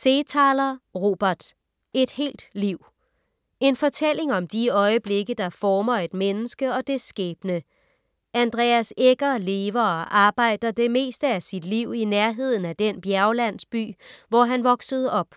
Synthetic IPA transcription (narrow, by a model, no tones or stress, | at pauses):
seːt͡sʰɑːlɐʁo̝̰ːb̥ɐd̥ | e̝d̥he̝̰ːld̥liʊ̰ | e̝nfɒ̽t͡sʰel̰e̝ŋɒ̽md̥iɒ̽ɪəb̥le̝ɡ̥əd̥ɑ̈fɒːmɐe̝d̥menəsɡ̥əɒ̽d̥e̝sɡ̥ɛ̰ːb̥nə | ʔænd̥ʁɛ̰æseɡ̥ɐle̝ːʋɐɒ̽ʔɑ̈ːb̥ɑ̈ɪ̰d̥ɐd̥e̝me̝̰ːsd̥əæsid̥liʊ̰inæɐɦe̝ð̞̰ˠn̩æd̥enb̥jæɐʊlæn̰sb̥y̰ːʋɒɦænʋɒ̽ɡ̥səð̞̩ˠɒ̽b̥